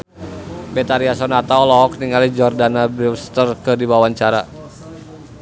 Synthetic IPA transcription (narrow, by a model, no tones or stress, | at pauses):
bɛt̪aɾiasɔnat̪aɔlɔɔk̚niŋalid͡ʒɔrdanabɾilst̪ərkɨdiwawaɲt͡ʃaɾa